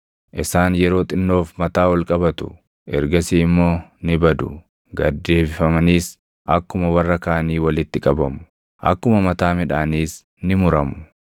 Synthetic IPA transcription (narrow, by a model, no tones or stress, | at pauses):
ʔɪsaːnjɛɾo̞ːt̪ʼɪnːo̞ːfmɐt̪aːwɐlkʼɐbɐt̪ʊ̥̰ | ʔɛ̰ɾɡɐsiːɪmːo̞ːnɪbɐd̪ʊ̰ | ɡɐd̪ːe̞ːbɪfɐmɐniːs | ʔɐkːʊmɐwɐrːɐkaːɐniːwɐlɪt̪ːɪkʼɐbɐmʊ̥ | ʔɐ̰kːʊmɐmɐt̪aːmɪᶑaːniːs | nɪmʊɾɐmʊ̥